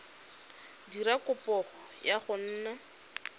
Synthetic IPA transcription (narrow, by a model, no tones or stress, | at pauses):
dirakʊpɔχɔjaχʊn̩ːna